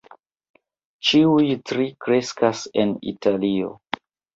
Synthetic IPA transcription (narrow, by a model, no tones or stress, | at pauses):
t͡ʃiujtɾikɾe̞skase̞nḭtalio̞̰